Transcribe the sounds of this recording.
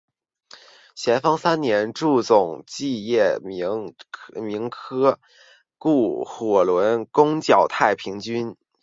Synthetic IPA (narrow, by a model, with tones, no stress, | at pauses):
ɕjɛ˧˥nfɑ˥ŋsa˥nnjɛ˧˥nʈ͡ʂu˥˧t͡sʊ˨˩ŋt͡ɕi˥˧jɛ˥˩ | mi˧˥ŋkʰɤ˥ | ku˥˩xwɔ˨˩lwə˧˥nkʊ˥ŋt͡ɕjɑ˨˩ʊt̪ʰa˥˩ɪpʰi˧˥ŋt͡ɕy˥n